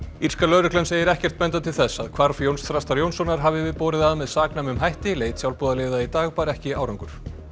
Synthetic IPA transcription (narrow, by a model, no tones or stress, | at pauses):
iɾ̥skalœːɾʏhklɛnseːjɪɾɛhcɛr̥t̪̚mɛnt̪at̪ʰɪlθɛsːa̰ðkʰvaɾ̥fjownst̪θɾast̪aɾjownsɔnaɾ̥ɦaːvɪvɪðpɔːɾɪðaðmɛðsaːknamʏmɦajht̪ɪleːjt̪sjawlpuːðalɪːðait̪aːɣpaːɾɛhcɪaːwɾaŋkʏɾ̥